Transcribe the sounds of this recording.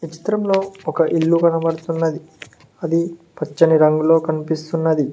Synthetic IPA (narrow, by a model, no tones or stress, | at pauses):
ʋit͡ʃi̥t̪ɾɐmlo̞ːɔkɐʔilːukɐnɐʋɐɽt̪unːɐd̪i | ɐd̪ipɐt͡ʃːɐniɾɐŋɡulo̞ːkɐnipist̪unːɐd̪i